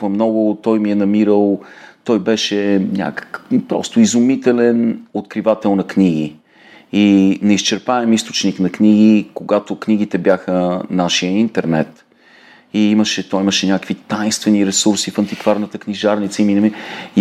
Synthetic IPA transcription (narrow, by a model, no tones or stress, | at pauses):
vɐmnɔɡʊt̪ɔjmiɛnɐmiɾəlˠt̪ɔjbɛʃɛnʲa̰kə̥kpɾɔ̰st̪ʊizʊmit̪ɛlɛnot̪kɾivat̪ɛlˠnɐknʲiɡi | inɛist͡ʃɛɾpaɛmist̪o̥t͡ʃniknɐkniɡ̟ikoɡat̪okniɡ̟it̪ɛbjaxənaʃijəint̪ɛɾnɛ̰t̪ | iiməʃɛt̪ɔjiməʃɛnʲakəkvit̪ajnst̪vɛniɾɛsuɾsifɐnt̪ikvaɾnət̪əkniʒaɾnit̪səiminɐmi